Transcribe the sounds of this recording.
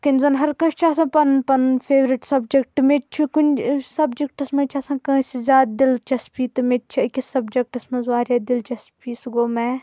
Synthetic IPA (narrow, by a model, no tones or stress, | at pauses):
kɐnʲzɐnɦɐɾkɐ̃st͡ʃʰias̬ãːpɐnpɐnpʰeːʋɾiʈsɐbd͡ʒek̚ʈɨmet̪t͡ʃʰikunʲsɐbd͡ʒek̚ʈɐsmɐt͡ʃʰasãːkɐ̃ːsizʲaːd̪̚d̪ilt͡ʃɐspiːt̪ɨmet̪̚t͡ʃʰikʲisɐbd͡ʒɐk̚ʈɐsmɐ̃zʋaːɾʲjaːd̪ilt͡ʃɐspiːsɡoːmɛ